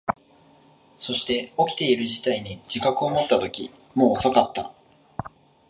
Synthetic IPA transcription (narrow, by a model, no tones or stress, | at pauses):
so̞ɕi̥t̪e̞o̞kʲi̥t̪e̞iɾɯ̟ʑit̪aiɲ̟id͡ʑikakɯ̟o̞mo̞t̪ːat̪o̞kʲi | mo̞ːsakat̪ːa̰